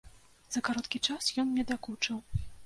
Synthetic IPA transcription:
z̥ɐkaɾɔt̪kʲit͡ʂasjɔnnʲɛd̪akut͡ʂɨw

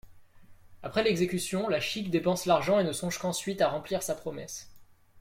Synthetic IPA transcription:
apχɛlɛɡzekʲysjɔ̃laʃikd̪epɑ̃slaʁʒɑ̃enəsɔ̃ʒkɑ̃sɥit̪aʁɑ̃pliʁsapχɔmɛs

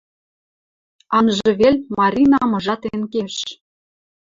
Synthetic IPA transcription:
ɑnʒɤ̆βelʲmɑɾʲinɑmɤ̆ʒɑt̪enkeʃ

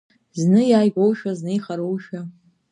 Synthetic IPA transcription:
znɨjaːjɡʷowʃaznɨjχaɾowʃa

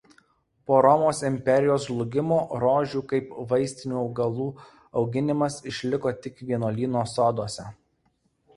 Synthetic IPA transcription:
poːɾɔmoːsɪmʲpʲɛɾʲɪjoːslˠʊɡʲɪmoːɾoːʒʲuːkɐɪpʋɐɪsʲt̪ʲɪnʲuːɒʊɡɐlˠuː | ɒʊɡʲɪnʲɪmɐsɪʃʲlʲɪkoːt̪ʲɪkʋʲiɛnoːlʲiːnoːsoːd̪oɔsʲɛ

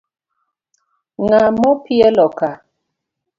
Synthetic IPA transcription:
ŋamɔpiɛlɔka

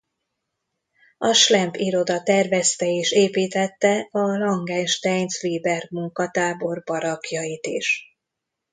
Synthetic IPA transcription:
ɒʃlɛmpiɾo̞d̪ɒt̪ɛrvɛst̪ɛeːʃeːpiːt̪ɛt̪ːɛɒlɒŋɡɛːnʃt̪ɛɲsʋiːbɛrmuŋkɒt̪aːbo̞rbɒɾɒkjɒjit̪iʃ

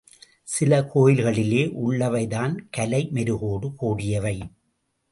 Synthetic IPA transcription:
sɪlɐkʰoːjɪlɣɐɭɪleːʔʊɭːɐʋɐɪðaːnkɐlɐɪmɛɾɯɣoːɽɯkoːɽɪjɐʋɐɪ

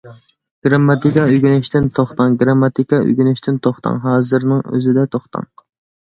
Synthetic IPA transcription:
ɡ̥ɾɑmːɑt̪ikɑyɡʲynɪʃt̪ɪnt̪ʰoχt̪ɑŋɡɾɑmːɑt̪ikɑy̰ɡʲynyʃt̪ʰɪnt̪ʰoχt̪ʰɑ̰ŋɦɑːzɨɾnɨŋø̰zɪd̪ɛt̪ʰoχt̪ʰɑ̰ŋ

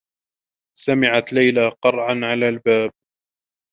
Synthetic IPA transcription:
samɪʕat̪lajlaːqɑɾˤʕanʕalaːlbaːb̚

